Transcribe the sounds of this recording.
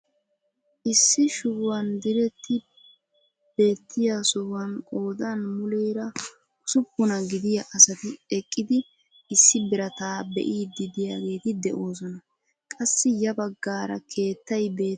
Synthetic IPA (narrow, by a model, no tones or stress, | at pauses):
ʔɪsːɪʃʊwwɐnd̪ɪɾɛt̪ːɪ | b̥e̞ːt̪ʰːɪjasʊwwɐnkʼo̞ːd̪ɐnmʊleːɾɐ | ʊsʊpːʊnɐɡɪd̪ɪjɐʔɐsɐt̪ɪɛkʼːɪd̪ɪ | ʔɪsːɪbɪɾɐt̪aːbɛ̰ʔiːd̪ːɪd̪ɪjaːɡe̞ːt̪ɪd̪ɛʔo̞ːs̬ɔnɐ | kʼɐsːɪjɐbɐɡːaːɾɐ̰kʰe̞ːt̪ːɐjbe̞ː